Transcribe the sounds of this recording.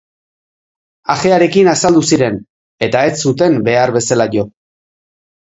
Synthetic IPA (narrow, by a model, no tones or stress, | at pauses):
axe̞aɾe̞kinasald̪usiɾe̞n | e̞t̪ae̞ssːut̪e̞mbe̞aɾβe̞salaʝo̞